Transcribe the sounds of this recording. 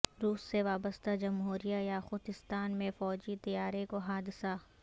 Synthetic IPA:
ɾuːsːeʋaːbəst̪ad͡ʒɐmɦuːɾijajaxʊt̪ɪst̪aːnmẽfɔːd͡ʒit̪ijaːɾekoɦaːd̪ɪsa

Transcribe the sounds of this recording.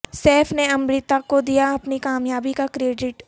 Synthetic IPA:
sɛːfneɐmɾiːt̪akod̪ijaɐpnikaːmjaːbikakɾeːɖɪʈ

